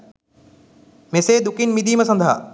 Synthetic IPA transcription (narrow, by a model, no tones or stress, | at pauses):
meːsed̪ʊkinmid̪ʱimẽsɐ̃nd̪ʱa̰ː